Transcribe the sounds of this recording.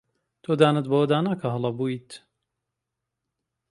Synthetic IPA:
t̪ʰoːd̪aːnɨt̪̚bɐwɐd̪aːnaːkʰɐɦɐlˠɐbuːt̪

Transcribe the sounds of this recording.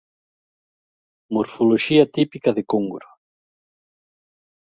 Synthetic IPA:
moɾfoloʃiɐt̪ipikɐðekoŋɡuɾo

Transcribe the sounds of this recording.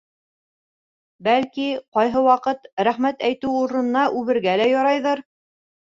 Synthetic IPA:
bælkiqɑjɦɤwɑqɤt̪ɾæχmæt̪æjt̪ɘwuɾɤ̆nɤ̆nɑʔʉβɘ̆ɾɡælæjɑɾɑjðɤɾ

